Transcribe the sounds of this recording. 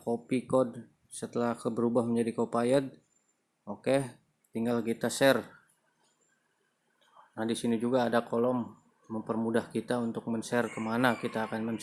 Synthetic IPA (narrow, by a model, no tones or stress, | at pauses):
kopikɔd | sət̪əlahkəbəɾubahməɲd͡ʒadikopajəd̪̚ | oke | t̪iŋɡalkit̪asɛr | nadisinid͡ʒuɡaːdakolɔmː | əmpərmudahkit̪aunt̪ʊk̚mənsɛrkəmanakit̪aːkanmən